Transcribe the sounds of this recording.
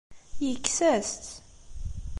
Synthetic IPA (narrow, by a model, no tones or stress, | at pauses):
jəkːsæst̪